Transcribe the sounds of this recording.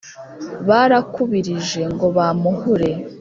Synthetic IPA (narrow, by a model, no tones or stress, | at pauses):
βaɾakuβiɾiʒe̞ŋɡo̞βamuɦuɾe̞